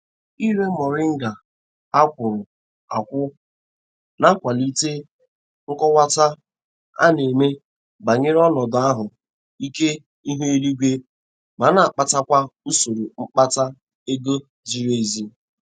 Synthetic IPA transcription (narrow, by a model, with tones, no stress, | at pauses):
i˦ɾe˦mɔ˨ɾɪ˦ŋ̩˦ɡa˨ | a˦kʷʊ˨ɾʊ˨ | a˨kʷʊ˦ | na˦kʷa˨li˦te˦ | ŋ̩˦kɔ˦wa˦ta˦ | a̰˦ne˨me˦ | ba˨ɲe˦ɾɔ˦nɔ˨da˦ɦʊ˨ | i˦ke˦ | i˦ɦe˦e˦ɾi˦ɡʷe˦ | ma˨˦na˨a˨k͡pa˦ta˦kʷa˦u˦so˨ɾu˨ŋ͡m̩˦k͡pa˦ta˦ | e˦ɡo˦ | d͡ʒi˨ɾe˦˨zi˦